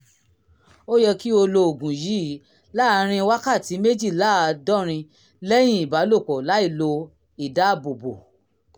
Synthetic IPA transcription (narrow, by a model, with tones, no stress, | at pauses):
o˦jɛ˧ki˦o˧lo˧o˨ɡũ˨ji˨˦ | la˦˧ɾ̃ĩ˧wa˦ka˦˨ti˨˦me˦d͡ʒi˦˨la˦˨˧dɔ˦ɾ̃ĩ˧ | lɛ˦j̃ĩ˦˨i˨ba˨˦lo˦˨k͡pɔ˨la˨˦i˦˨lo˧ | i˨da˨˦˨bo˨bo̰˨